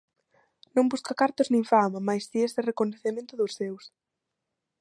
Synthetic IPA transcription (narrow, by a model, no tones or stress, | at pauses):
nõmbuskɐkaɾt̪ʊznĩŋfamamajsiesɪrekoneθemẽnt̪ʊðʊsːews